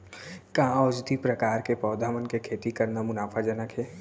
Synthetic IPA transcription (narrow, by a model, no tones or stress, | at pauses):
kãɔːd͡ʒd̪ipɾəkaːɾkepɔːd̪ʱaːmənkekʰeːt̪ikɐɾnamʊnaːpʰad͡ʒənəkɦɛː